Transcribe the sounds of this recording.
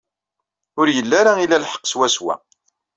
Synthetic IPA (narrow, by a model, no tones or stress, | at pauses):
ʊɾjəlːaɾailælħə̥qːswæswæ̰